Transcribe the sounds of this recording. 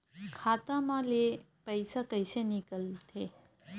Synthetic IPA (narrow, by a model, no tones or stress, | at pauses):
kʰat̪amale | pəjsakəjsenikəlt̪ʰe